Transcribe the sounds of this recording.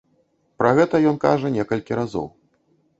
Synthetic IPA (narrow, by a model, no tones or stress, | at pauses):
pɾɐɣɛt̪ɐjɔnka̰ʐɐnʲɛkɐlʲkʲiɾazɔ̰w